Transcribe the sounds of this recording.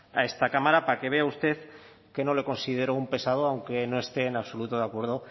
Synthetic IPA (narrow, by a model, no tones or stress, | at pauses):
a̰e̞st̪akamaɾapake̞β̞e̞aust̪e̞ð | ke̞no̞le̞ko̞nsið̞e̞ɾoumpe̞saðoawŋke̞no̞e̞st̪e̞ːnaβso̞lut̪oðakwe̞ɾð̞o̞